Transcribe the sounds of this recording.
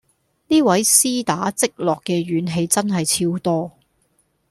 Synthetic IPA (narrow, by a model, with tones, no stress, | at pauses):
niː˥wɐ˨˥jsiː˥t̪aː˨˥t͡sɪ˥k̚lɔː˨kːɛː˧ɥyː˨˥nɦe˧jt͡sɐ˥nɦɐ˨jt͡sʰiː˧wt̪ɔː˥